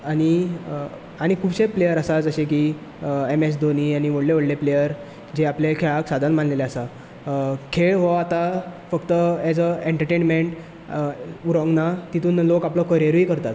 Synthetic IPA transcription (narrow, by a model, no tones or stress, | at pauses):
aɽ̃i | aɽ̃ikʰuːbɕeplejəɾəsad͡zəɕẽki | emes̬d̪oniːaɽ̃iʋəɽleʋəɽleplejəɾ | d͡ʑeaplekʰeɭaksad̪ʱanmanleleəsa | kʰeɭɦɔat̪afəkt̪əɛd͡zəẽɳʈəɾʈenmeɳʈ | uɾɔ̃ŋɡnat̪it̪uːnlokaplɔkəɾieɾiːkəɾt̪at̪